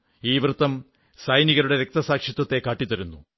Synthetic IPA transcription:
iːʋrɨt̪ːɐm | sɐjniɣɐɾuɽe̞ɾek̚t̪ɐsaːkʂit̪ːɐt̪ːe̞kaːʈːit̪ːɐɾunːu

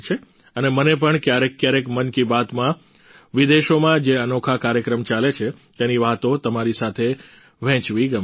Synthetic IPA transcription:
t͡ʃʰe | ənemənep̬əɳkjaɾekːjaɾekmənkibat̪mã | ʋid̪eʃomãd͡ʒeənokʰakaɾjəkɾəmt͡ʃalet͡ʃʰet̪eniʋat̪ot̪əmaɾisat̪ʰe | ʋɛ̃t͡ʃʋiɡəm

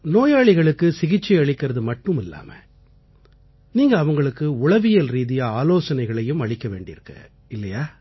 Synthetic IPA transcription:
noːjaːɭɪɣɐɭɯkːɯsɪɣɪt͡ʃːɪɐɭɪkːɪɾɐðɯmɐʈːɯmɪlːa̰ːmɐ̰ | niːŋɡɐːʋɐŋɡɐɭɯkːɯʊɭɐʋɪjɐlɾiːðɪjɐaːloːsɐnɐɪɣɐɭɐjɯmɐɭɪkːɐʋḛːɳɖɪ̰ɾɯkːɐ̰ | ɪlːɐjaː

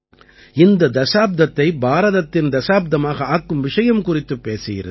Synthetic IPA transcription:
ɪnd̪ɐd̪ɐsaːb̚d̪ɐt̪ːɐɪbaːɾɐðɐt̪ːɪnd̪ɐsaːb̚d̪ɐmaːɣɐaːkːɯmʋɪʂɐjɐmkʊrɪt̪ːɯpːeːsɪjɪ̰ɾɯ̰ð

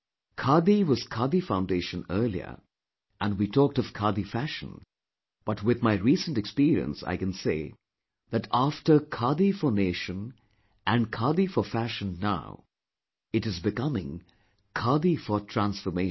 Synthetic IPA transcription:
kʰɑɹd̪iwʌz̥kʰɑd̪ifãʊ̃ndeɪʃə̃nɜ˞lˠḭə̰˞ | ʔə̃nwitʰɔk̚tʌv̥kʰɑd̪ifæʃə̃n̩ | b̥ʌtwɨðmaɪɹisə̃ntɨkspiɹiə̰̃nsa̰ɪkɨ̃nseɪ | ðɨtæftə˞kʰɑd̪ifəneɪʃɨ̃n | ʔɨ̃nkʰɑd̪ifəfæʃə̃nːaʊ | ɨɾɨzbɨkʌmɪ̰̃ŋ | kʰɑɹd̪ifə˞tʰɹæ̃nsfə˞meɪ

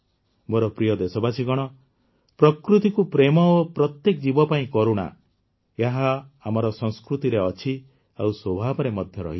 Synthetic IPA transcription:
moɾɔpɾijɔd̪esɔbasiɡɔɽ̃ɔ | pɾɔkɾut̪ikupɾemɔopɾɔt̪jekɔd͡ʒibɔpaĩkɔɾuɽ̃a̰ | jeɦaːmɔɾɔsɔŋskɾut̪iɾeɔt͡ʃʰi | awswobʱabɔɾemɔd̪ʱjɔɾɔ̰ɦi

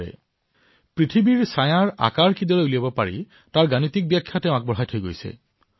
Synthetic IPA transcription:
ɛ̰ | pɹitʰibiɹsajaɹa̰kaɹkidɔɹeuliabɔpaɹḭ | taɹɡanit̪ik̚bjakʰːjatɛʊ̃ak̚bɔɦajtʰojɡo̰jsḛ

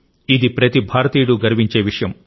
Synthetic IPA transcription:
id̪ipɾɐt̪ibʱaːɾɐt̪iːɽuɡɐɾʋiɲt͡ʃe̞ːʋiʂɐjɐm

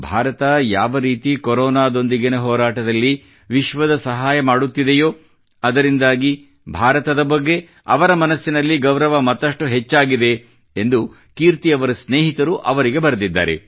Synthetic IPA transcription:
bʱaːɾɐt̪ɐjaːʋɐɾiːt̪ikɔɾɔːnaːd̪o̞nd̪iɡinɐɦɔːɾaːʈɐd̪ɐlːi | ʋiʃʋɐd̪ɐsɐɦaːjɐmaːɽut̪ːid̪ejoː | ɐd̪ɐɾind̪aːɡi | bʱaːɾɐt̪ɐd̪ɐbɐɡːe̞ | ɐʋɐɾɐmɐnɐsːinɐlːiɡɐwɾɐʋɐmɐt̪ːɐʂʈuɦet͡ʃːaːɡid̪e̞ | end̪u | kiːɾt̪iɐʋɐɾɐsneːɦit̪ɐɾuʔɐʋɐɾiɡe̞bɐɾd̪id̪ːa̰ːɾe̞̰

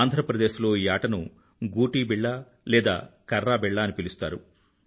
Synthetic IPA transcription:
nd̪ʱɾɐpɾɐd̪eːʃlo̞ːiːaːʈɐnu | ɡuːʈiːbiɭːɐ | lɛːd̪a̰ːkɐɾːaːbɛɭːaːɐnipilust̪a̰ːɾṵ

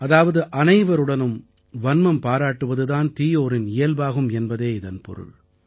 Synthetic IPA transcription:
ɐðaːʋɐðɯʔɐnɐɪʋɐɾɯɽɐnɯm | ʋɐnmɐmpaːɾaːʈːɯʋɐðɯðaːnt̪iːjoːɾɪnɪjɐlbaːɣɯmɛnbɐðeːɪðɐnpɔ̰ɾɯ̰ɭ

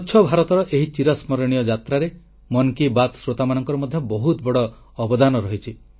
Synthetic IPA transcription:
ʃʰɔbʱaɾɔt̪ɔɾɔʔeɦit͡ʃiɾɔsmɔɾɔɽ̃ijɔd͡ʒat̪ɾaɾe | mɔnkibat̪sɾot̪amanɔŋkɔɾɔmɔd̪ʱjɔbɔɦut̪bɔɽɔː | bɔd̪anɔɾɔɦit͡ʃʰi

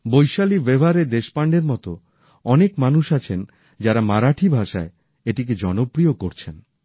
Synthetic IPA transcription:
bojʃalibebʱaɾed̪eʃpaɳɖeɾmɔt̪o | ɔnekmanuʃat͡ɕʰen | d͡ʑaɾamaɾaʈʰibʱaʃae | eʈik̬ed͡ʑɔnopɾiokoɾt͡ɕʰen

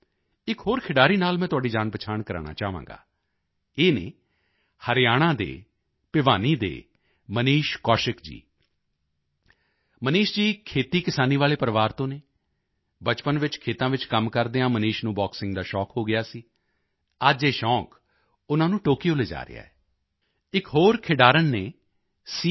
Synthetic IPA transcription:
ɪkɦoːɾkʰɪɖaːɾiːnaːlmɛ̃ːt̪ʊaːɖiːd͡ʒaːnpət͡ʃʰaːɳkəɾa̰ːɳa̰ːt͡ʃaːʋã̰ːŋɡa̰ː | eːnḛː | həɾɪjaːɽ̃ãːd̪ḛː | pɪʋaːniːd̪ḛː | məniːʃkɔːʃɪkd͡ʒḭː | məniːʃd͡ʒiːkʰeːt̪iːkɪsaːniːʋaːleːpəɾəʋaːɾt̪õːneː | bət͡ʃpənʋɪt͡ʃkʰeːt̪ãːʋɪt͡ʃkəmkəɾd̪eːãːməniːʃnũːbɔːksɪ̃ŋɡd̪aːʃɔːkɦoːɡɪjaːsiː | əd͡ʒeːʃɔ̃ːk | ʊnãːnũːʈoːkiːoːleːd͡ʒa̰ːɾɪ̰ja̰ːɛː | ɪkɦoːɾkʰɪɖaːɾənːeː | si

